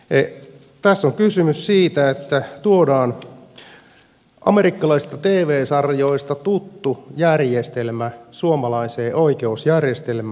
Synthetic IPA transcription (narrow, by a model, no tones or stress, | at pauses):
e | t̪æsːoŋkysymyssiːt̪æet̪ːæt̪uodɑːn | ʔɑ̰meɾikːɑlɑisi̥st̪ɑt̪eːʋeːsɑrjo̞ist̪ɑt̪ut̪ːujærjest̪elmæsuomɑlɑiseːʔoikeusjærjest̪elmæ